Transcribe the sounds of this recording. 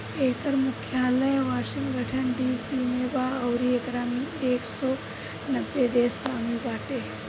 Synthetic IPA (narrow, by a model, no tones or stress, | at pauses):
eːkəɾmʊkʰjaːləjʋaːʃɪŋɡʱəʈʰənɖiːsimebaːɐwɾiekɾaːmieːksɔː | nɐbːed̪eːsaːmibaːʈe